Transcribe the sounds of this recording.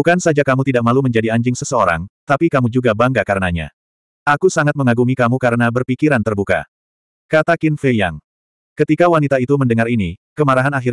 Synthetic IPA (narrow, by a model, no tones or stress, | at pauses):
bukansad͡ʒakamut̪idaʔ̚maluməɲd͡ʒadiaɲd͡ʒɪŋsəsəoɾa̰ŋt̪apikamud͡ʒuɡabaŋɡakaɾənaɲa̰ | akusaŋat̪̚məŋaɡuŋikamukaɾənabərpikiɾant̪ərbuka̰ | kat̪akɪnfeja̰ŋ | kət̪ikawanit̪ait̪uməndəŋarinikəmaɾaɦanaɦir